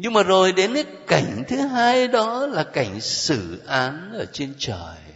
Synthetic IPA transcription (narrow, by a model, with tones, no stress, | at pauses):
ɲɨ˧ŋmaː˨˩zo˨˩jɗe˨˦na˨˦ka˧˩jŋ̟t̪ʰɨ˨˦ɦaː˧jɗɔ˨˦laː˨˩ka˧˩jŋ̟sɨ̰˧˩˨ʔaː˨˦nʔəː˧˩t͡ɕe˧nt͡ɕəː˨˩j